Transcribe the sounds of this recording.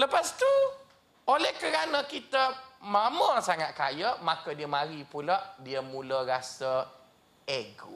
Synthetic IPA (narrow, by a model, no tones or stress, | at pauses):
ləpast̪u | olɛhkəɾanə̃kit̪əmaməsaŋat̪̚kajəʔmakədiəmaɾipulaʔdiəmũləɾasə | eɡṵ